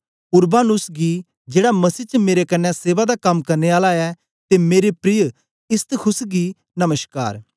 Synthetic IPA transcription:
ʊɾbaːnʊsɡi | d͡ʒeːɽamɐsiːt͡ʃəmeːɾekɐnːɛ̃seːʋad̪akɐmkɐɾneaːlaɛ | t̪emeːɾepɾɪj | ɪst̪kʰʊsɡi | nɐməska̰ːɾ

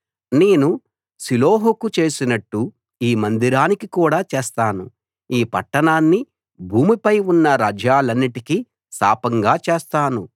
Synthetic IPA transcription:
neːnu | siloːɦukut͡ʃe̞ːsinɐʈːu | iːmɐnd̪iɾaːnikikuːɽaːt͡ʃeːst̪aːnṵ | iːpɐ̰ʈːɐnaːnːi | bʱuːmipɐjunːɐɾaːd͡ʒaːlɐnːiʈiki | sa̰ːpɐŋɡaːt͡ʃeːst̪aːnu

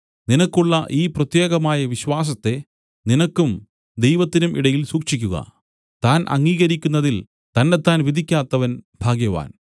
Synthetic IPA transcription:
ninɐkːuɭːɐʔiːprɐt̪je̞ːɣɐmaːjɐʋiɕwaːs̬ɐt̪ːe̞ | ninɐkːum | d̪ejʋɐt̪ːinumʔiɽɐjilsuːkʂik̬ʲːuɣɐ̰ | t̪aːnʔɐ̰ŋːiːɣɐɾikʲːunːɐðil | t̪ɐnːe̞t̪ːaːnʋid̪ʱikʲːaːt̪ːɐʋɐnbʱaːɡjɐʋa̰ːn

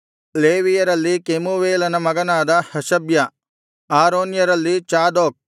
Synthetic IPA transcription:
leːʋijɐɾɐlːikemuʋeːlɐnɐmɐɡɐnaːd̪ɐhɐʃɐbjɐ | aːɾoːnjɐɾɐlːit͡ʃaːd̪oːk̚

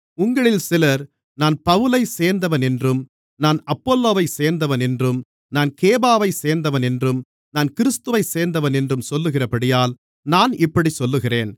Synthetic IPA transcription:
ʊŋɡɐɭɪlsɪlɐɾ | naːnpɐʋɯlɐɪseːɾnd̪ɐʋɐnɛndrɯm | naːnɐpːoːlːoːʋɐɪseːɾnd̪ɐʋɐnɛndrɯm | naːnkeːbaːʋɐɪseːɾnd̪ɐʋɐnɛndrɯm | naːnkɪɾɯst̪ɯʋɐɪseːɾnd̪ɐʋɐnɛndrɯmsɔlːɯɣɪrɐpɐɽɪjaːl | naːnɪpːɐɽisɔlːɯɣɪreːn

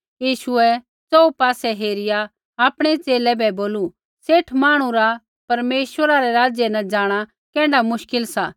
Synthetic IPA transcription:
jiːʃʊɛ | t͡sɔupaːsɛɦeːɾɪja | aːpɽ̃ɛt͡seːlɛbɛboːlu | seːʈʰmaːɽ̃ũɾa | pɐɾmeːʃwəɾaɾɛɾaːd͡ʒjɛnɐ̃d͡ʒaːɽ̃a | kɛ̃ːɖamʊʃkɪlsa

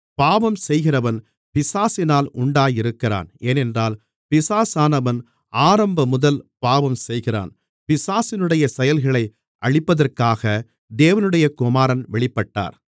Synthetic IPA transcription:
paːʋɐmsɛjɣɪrɐʋɐn | pɪsaːsɪnaːlʊɳɖaːjɪɾɯkːɪra̰ːneːnɛndraːl | pɪsaːsaːnɐʋɐn | aːɾɐmbɐmʊðɐlpaːʋɐmsɛjɣɪra̰ːn | pɪsaːsɪnɯɽɐjɐsɛjɐlɣɐɭɐɪ | ʔɐɻɪpːɐðɐrkaːɣɐ | d̪eːʋɐnɯɽɐjɐkʊmaːɾɐnʋɛɭɪpːɐʈːa̰ːɾ

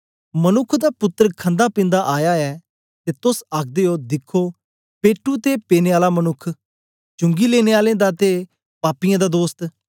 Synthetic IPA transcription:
mənʊkʰːd̪aːpʊt̪ːəɾkʰə̃nd̪aːpɪ̃nd̪aʔaːjaːɛː | t̪eːt̪ʊsaːk̚ʰd̪eːoːd̪ɪkʰːoː | peːʈːut̪eːpeːneːaːlaːmənʊkʰ | t͡ʃʊ̃ŋɡiːleːneːaːlẽd̪aːt̪eː | paːpijãːd̪aːd̪oːst̪

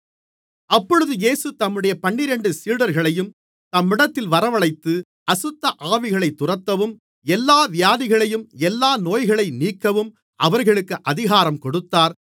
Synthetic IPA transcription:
ɐpːɔɻɯðɯjeːsɯt̪ɐmːɯɽɐjɐpɐɳːɪɾɛɳɖɯsiːɽɐɾɣɐɭɐjɯm | t̪ɐmːɪɽɐt̪ːɪlʋɐɾɐʋɐɭɐɪt̪ːɯ | ɐsɯt̪ːɐʔaːʋɪɣɐɭɐɪt̪ːʊrɐt̪ːɐʋɯm | ɛlːaːʋɪjaːðɪɣɐɭɐjɯmɛlːaːnoːjɣɐɭɐɪniːkːɐʋɯm | ʔɐʋɐɾɣɐɭɯkːɯʔɐðɪɣaːɾɐmkɔɽɯt̪ːaːɾ

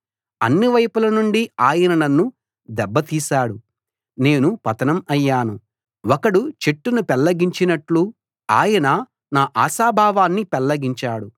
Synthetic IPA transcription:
ɐ̰nːiʋɐjpulɐnuɳɖiaːjɐnɐnɐnːu | d̪ɛbːɐt̪iːsaːɽu | ne̞ːnupɐt̪ɐnɐmɐjːaːnu | ɔkɐɽut͡ʃe̞ʈːunupɛlːɐɡiɲt͡ʃinɐʈlu | a̰ːjɐnɐ | naːʔaːsaːbʱaːʋaːnːipɛlːɐɡiɲt͡ʃaːɽu

